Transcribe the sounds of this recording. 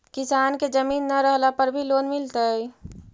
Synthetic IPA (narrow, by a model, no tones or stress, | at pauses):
kɪsaːnked͡ʒəmiːnːaɾəɦlapəɾbʱiloːnmɪlt̪əi